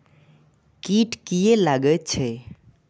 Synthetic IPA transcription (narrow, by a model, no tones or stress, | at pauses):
kiʈkijelaɡət̪̚t͡ʃʰɛ